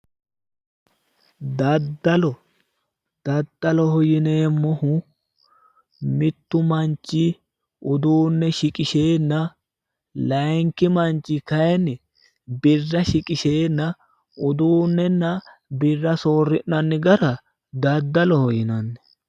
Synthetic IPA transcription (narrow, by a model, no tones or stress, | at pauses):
d̪ɐd̪ːɐlɔ | d̪̥ɐd̪̥ːɐlɔhɔjɪneːmːɔhʊ | mɪt̪ːʊmɐnt͡ʃːɪ | ʔʊd̪uːnːɛʃɪkʼɪʃeːnːɐ | lɐjŋkɪmɐnt͡ʃːɪkɐjɛnɪ | bɪrːɐʃɪkʼɪʃeːnːɐ | ʊd̪uːnːɛnːɐbɪrːɐsoːrːɪʔnɐnːɪɡɐɾɐ | d̪ɐd̪ːɐlɔhɔjɪnɐnːɛ̥